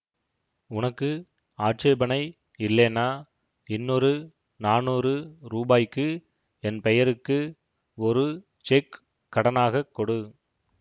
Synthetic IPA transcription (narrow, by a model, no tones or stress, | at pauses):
ʊnɐkːɯ | aːʈ̚t͡ʃeːbɐnɐɪ | ɪlːeːnaː | ɪnːɔɾɯ | naːnuːɾɯɾuːbaːjkːɯ | ɛnpɛjɐɾɯkːɯ | ɔɾɯ | t͡ʃɛkː | ɐɽɐnaːɣɐkːɔɽɯ